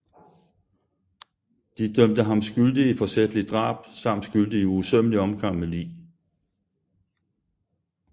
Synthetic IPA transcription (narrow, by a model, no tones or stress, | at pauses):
d̥id̥œm̰d̥əɦɑ̈msɡ̥yld̥iifɒ̽sed̥əlid̥ʁɑ̰̈ːb̥sɑ̈m̰d̥sɡ̥yld̥əiusøməliɒ̽mɡ̥ɑ̈ŋ̰melḭː